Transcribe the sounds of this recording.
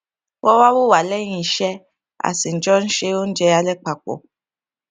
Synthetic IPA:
wʔɔ˦wa˦wo˦˨wa˨lɛ˦ɲĩ˨ʃɛ˦ | a̰˨si˨n̩˨d͡ʒɔ˦n̩˦ʃe˧wo˦n̩˦d͡ʒɛ˧a˧lɛ˦k͡pa˨k͡po̰˨

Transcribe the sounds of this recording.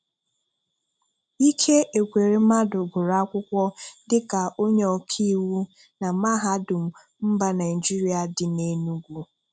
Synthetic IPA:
i˦kʰe˦ʔe˨kʷe˨ɾe˨m̩a˦dʊ˨ɡʷʊ˨ɾa˦a˦kʷʊ˦kʷɔ˦dɪ˦ka˨ʔo˦ɲe˦ɔ˨kʰi˦wu˦ | na˨ma˦ɦa˦dʊ˨m̩˨ | m̩˦ba˦na˨ɪ˨d͡ʒi˦ɾi˦a˨dɪ˨ne˦nu˦ɡʷu˦

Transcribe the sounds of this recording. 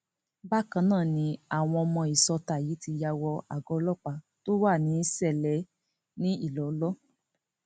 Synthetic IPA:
ba˦˨kã˧˦nãː˦˨nĩ˧a˨w̃ɔ̃˧ɔ˧mɔ̃˧i˨sɔ˧ta˨ji˨˦ti˧ja˧wɔ˧a˨ɡɔ˧˦lɔ˦˨k͡pa˨ | to˦wa˦˨nĩ˨˦sɛ˦˨lɛ˨˦ | nĩ˦i˦˨lɔ˨˦lɔ˦

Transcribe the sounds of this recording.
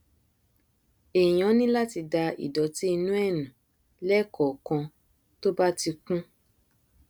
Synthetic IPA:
e˨j̃ɔ̃˨˦nĩ˦la˦ti˧da˧ḭ˨dɔ˨˦ti˦i˧nũ˦ɛ˦˨nũ˨ | lɛ˦˨kɔ˨kã˧ | to˦ba˦ti˧kũ˦

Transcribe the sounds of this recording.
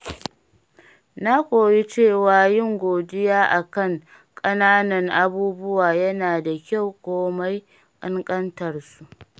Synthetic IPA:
na˦kʷoː˨ji˦t͡ʃeː˦˨waː˨jɪ˦˨ŋɡʷoː˨dɪ˦jaː˦ʔa˨kɐ˦ŋ | kʼɐ˦naː˦nɐ˨ŋʔa˦buː˦bʊ˦waː˨jɐ˦naː˨da˨kʲa˦˨wkʷoː˦ma˦j | kʼɐ˦ŋkʼɐ˦ntɐ˨rsu˦ʔ

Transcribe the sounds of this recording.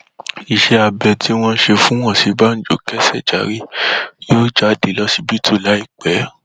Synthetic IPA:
i˨ʃɛ˧a˧bɛ˨tʰi˨˦w̃ɔ̃˧n̩˦ʃe˧fũ˨˦w̃ɔ̃˦˨si˨˧ba˦n̩˦d͡ʒo˨kɛ˦sɛ˦˨d͡ʒa˨˦ɾi˦joː˦˨d͡ʒa˨˦de˨lɔ˦si˧bi˦tʰu˦˨la˨˦i˦˨k͡pɛ˨˦

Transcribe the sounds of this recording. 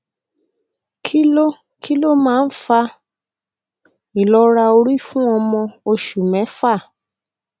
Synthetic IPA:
kʰi˦lo˦ | kʰi˦lo˦mãː˦n̩˦fa˧ | i˨lɔ˦ɾa˧o˧ɾi˦fũ˦ɔ˧mɔ̃˧o˧ʃu˨mɛ̃˨˦fa˦˨

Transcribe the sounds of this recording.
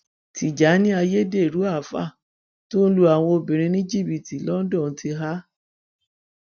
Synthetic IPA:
tʰi˨d͡ʒa˨˦nĩ˦a˧je˦de˦˨ɾu˨˦a˦˨fa̰˦˨ | to˦n̩˦lu˧a˨w̃ɔ̃˧o˧bĩ˨ɾ̃ĩ˧nĩ˦d͡ʒi˦˨bi˨ti˨˦lɔ˦n̩˦dɔ̃˦˨˦ti˧ɦa˦

